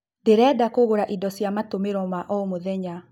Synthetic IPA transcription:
ndeɾɛdakoɣoɾaʔidɔsjamatomeɾɔmaʔɔmoðɛɲa

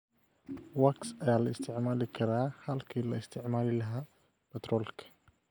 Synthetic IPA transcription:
wɐksɐjaːlɐɪst̪ʰɪʕmaːlɪkʰɐɾaːhɐlkʰiːlɐɪst̪ʰɪʕmaːlɪlɐɦaː | pɛt̪rɔːlkʰɐ̥

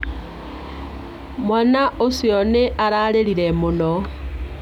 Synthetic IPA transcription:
mwanaosioneʔaɾalelilemuno

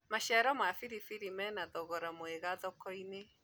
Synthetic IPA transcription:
maʃɛɾɔmwafiɾifiɾimɛnaðɔɣɔɾamoeɣaðɔkɔine

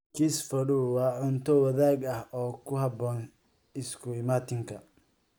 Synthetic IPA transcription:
kʰisfɐɽuwɑːʕʊnt̪ʰɔwɑðaːɡɐhɔːkʰʊɦɐbɔːn | ɪskʰʊɪmaːt̪ʰɪŋkʰɐ

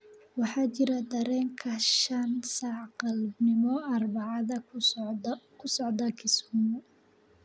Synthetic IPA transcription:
wɑħɑːt͡ʃɪɾɐd̪ɐɾɛːŋkʰɐʃɐnsɑʕqɑlbnɪmɔɐrbɑʕɑðɐ | kʰʊsɔʕd̪ɐkʰɪsumʊ

